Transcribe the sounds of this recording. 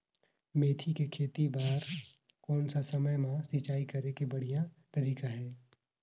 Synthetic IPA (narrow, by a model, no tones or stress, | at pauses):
meːt̪ʰikekʰeːt̪ibaːɾ | kɔːnsasɐməjmãsɪt͡ʃaːikɐɾekebɐɽ̤ijat̪ɐɾiːkaɦɛː